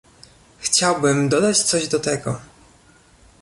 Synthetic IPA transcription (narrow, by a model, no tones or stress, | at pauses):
xt͡ɕawbɘmd̪ɔd̪at͡ɕt̪sɔʑd̪ɔt̪ɛɡɔ